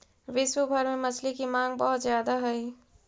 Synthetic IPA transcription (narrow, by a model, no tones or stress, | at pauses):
ʋɪswəbʱɐɾmẽmɐt͡ʃʰlikimãːŋɡ̚bɔɦʊt̪zjaːd̪aɦɐi